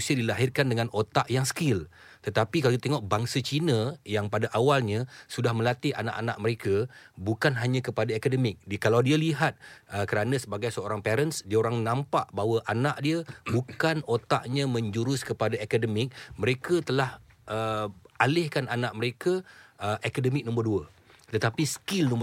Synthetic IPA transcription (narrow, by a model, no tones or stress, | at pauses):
siədilaɦɪrkandəŋãnot̪aʔjaŋsə̥kɪlt̪ət̪apikaladit̪eŋɔʔ̚baŋsat͡ʃinəjaŋpadaʔawalɲãsudahmə̃lat̪iʔa̰na̰ʔa̰na̰ʔməɾekabukanɦaɲãkəpadaakadəmɪk̚dkalawdialiɦat̪̚əkəɾanãsəbaɡajsəoɾaŋpeɾənsdiaoɾaŋnãmpaʔbaɦwəʔanaʔdiəbukanot̪aʔɲãmə̃ɲd͡ʒuɾʊskəpadaekadəmɪk̚mə̃ɾekat̪əlah | ʔəalɪhkanʔanaʔməɾekaəʔakadəmɪk̚nɔ̃mbərduə | t̪ət̪apisə̥kɪlnɔ̃m